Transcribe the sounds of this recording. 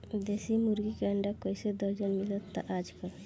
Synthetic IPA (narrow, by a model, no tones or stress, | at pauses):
d̪esimuɾɡikaɳɖakɔjsed̪ɔd͡ʒɔnmilɔt̪ːa̰ʔad͡ʒkɔɾ